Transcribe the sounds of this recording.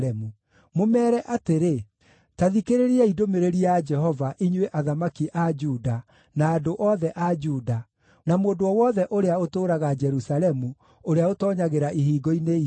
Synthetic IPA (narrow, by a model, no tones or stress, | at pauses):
ɛmu | momɛːɾɛʔateɾe | taðikeɾeɾiaidomeɾeɾiad͡ʒɛɦɔvaʔiɲweʔaðamakiʔad͡ʒuːda | naːdoʔɔðɛʔad͡ʒuːda | namoːdoɔwɔðɛʔoɾeaotoːɾaɣad͡ʒɛɾusaɾɛmu | oɾeaotɔːɲaɣeɾaʔihiːɡɔine